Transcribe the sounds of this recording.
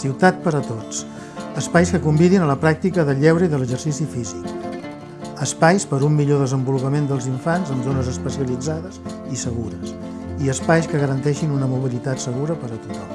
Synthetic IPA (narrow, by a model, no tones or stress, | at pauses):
siwt̪at̪̚pəɾət̪ot͡s | əspajskəkumbiðinələpɾak̚t̪ikəðəʎɛwɾəiðələʒəɾsisifizik | əspajspəɾumːiʎoðəzəmbulupəmend̪əlˠziɱfanzənzonəzəspəsiəlid͡zaðəz | isəɣ̞uɾəs | iəspajskəɣəɾənt̪ɛʃinunəmuβilit̪at̪səɣ̞uɾəpəɾət̪ut̪ɔm